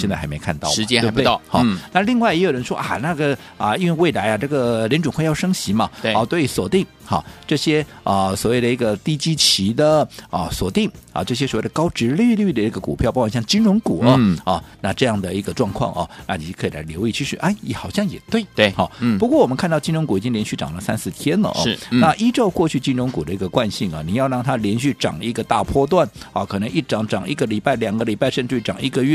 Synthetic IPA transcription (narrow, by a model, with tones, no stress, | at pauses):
jɛ˥˧t͡sa˥˩xme˧˥ɪkʰa̰˥˧nt̪ɑ˥˩ʊ˧˥t͡ɕɛ˥˧˥xɑ̰˥˩na˥˧li˥˧ŋwa˥˩jɛ˧˥jo˨˩ʊɻə˧˥nʂwɔ̰˥ʔa̰˨˩na˥˩ɡə˩ | ə˩i˥nwe˥˧ɪwe˥˩ɪla˧˥ɪja˧ʈ͡ʂɤ˥˩ɡə˩ljɛ˧˥nʈ͡ʂʊ˨˩ŋxwe˥˧ɪjɑ˥˧ʊʂɤ˥ŋɕi˧˥mɐ˧we˥˩˧t̪we˥˩ɪy˧˥swɔ˨˩t̪i˥˩ŋ | xɑ̰˥˩ʈ͡ʂɤ˥˩ɕjɛ˥ə˧˨swɔ˨˩we˥˩ɪd̪ə˩i˧˥ɡə˧t̪i˥˩t͡ɕi˥t͡ɕʰi˧˥d̪ə˨ə˧swɔ˨˩t̪i˥˩ŋɐ̰˨˩ʈ͡ʂɤ˥˩ɕ̬jɛ˥swɔ˨˩we˥˩d̪ə˩kɑ˥ʊʈ͡ʂɻ̩˧˥ly˥˧ly˥˩d̪ə˨˩i˥ɡə˧kṵ˨˩pʰjɑ˥˧pwa˨˥˩ɕjɑ˥˩t͡ɕi˥nɻʊ˧˥ŋku˨˩ə˧˦ɐ˥˩na˥˧ʈ͡ʂɤ˥˧jɑ˥˩ŋd̪ə˩i˧˥ɡə˧ʈ͡ʂwɑ˥˧ŋkʰwɑ̰˥˩ŋʔɐ̰˩na˥˩ni˨˩˥kʰɤ˧˥i˨˩la̰˧˥ɪljo˧˥ʊi˥˧t͡ɕʰy˥˧ʂy˥˩ʔa˥˩ɪjɛ˧˩xɑ˨˩ʊɕjɑ˥˩ŋjɛ̰˨˩t̪we˥˩ɪt̪we˥˧˩ɔ˥˩pu˧˥kwɔ˥˩wɔ˨˩mə˦nkʰa˥˧nt̪ɑ˥˧ʊt͡ɕi˥nɻʊ˧˥ŋku˨˩i˨˩t͡ɕi˥ŋljɛ˧nɕy˥˩ʈ͡ʂɑ̰˨˩ŋlə˦sa̰˥nsɹ̩˥˩t̪ʰjɛ˥nlə̰˨ʔɔ̰˥ɻ̩˦˥˧nna˥˧ʔi˥ʈ͡ʂo˥˧ʊkwɔ˥˧t͡ɕʰy˥˩t͡ɕi˥nɻʊ˧˥ŋku˨˩d̪ə˦i˧˥ɡə˧kwa˥˧nɕi˥˩ŋɐ̰˩ni˨˩jɑ˥˧ʊɻɑ˥˩ŋt̪ʰa˥ljɛ˧˥nɕy˥˩ʈ͡ʂɑ̰˨˩ŋi˧˥ɡə˧t̪a̰˥˧pʰwɔ˥t̪̬wa˥˩nɐ˨˩kʰɤ˨˩ə˧˥ŋi˥˩ʈ͡ʂɑ˨˥ŋʈ͡ʂɑ˨˩˦ŋḭ˧˥˩ɡə˨li˨˩pa˥˩ɪljɑ˨˩ŋɡə˦li˨˩pa˥˧ɪʂə˥˧nʈ͡ʂy˥˩ʈ͡ʂɑ˨˩ŋi˥ɡə˨ɥɛ˥˩